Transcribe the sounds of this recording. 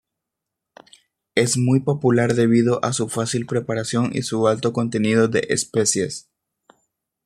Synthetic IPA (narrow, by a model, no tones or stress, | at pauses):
e̞zmujpo̞pulaɾðe̞β̞iðo̞ʔasufasilpɾe̞paɾasjo̞ŋḭsualt̪o̞ko̞nt̪e̞niðo̞ðe̞ʔespe̞sje̞s